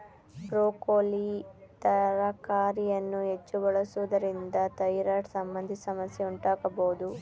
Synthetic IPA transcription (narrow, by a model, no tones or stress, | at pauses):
bɾoːkoːlit̪ɐɾɐkaːɾijɐnːuɦet͡ʃːubɐɭɐsuʋɐd̪ɐɾind̪ɐt̪ɐjɾaːʈsɐmbɐnd̪ʱisɐmɐsjeuɳʈaːɡɐboːd̪u